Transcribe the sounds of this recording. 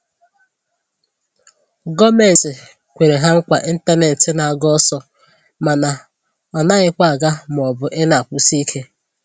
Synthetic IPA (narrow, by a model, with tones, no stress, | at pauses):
ɡɔ˦me˨n̩˨tɪ˨ | kʷe˨ɾe˨ɦa˦ŋ̩˦kʷa˨ʔi˦n̩˦ta˦ne˨n˨tɪ˨na˨ɡɔ˦sɔ˦ | ma˨na˨ | ɔ˨na˦ɣɪ˦kʷa˦a˨ɡa˦m˨ɔ˨bʊ˨ʔɪ˦na˨kʷu˦si˦kʰe˦